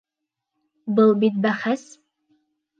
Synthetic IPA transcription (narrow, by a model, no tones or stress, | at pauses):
bɨlˠbit̪̚bæχæs